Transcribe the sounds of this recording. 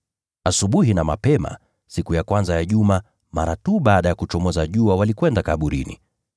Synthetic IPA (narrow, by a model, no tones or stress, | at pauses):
asuɓuɦinamapɛma̰ | sikujakwanzajaʄuma | ma̰ɾatuɓaːɗajakut͡ʃɔmɔzaʄuawalikwɛndakaɓuɾḭnḭ